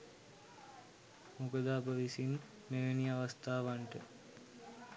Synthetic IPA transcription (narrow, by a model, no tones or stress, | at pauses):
mukəd̪aːbəʋisin | meʋeniaʋast̪aːʋaɳʈə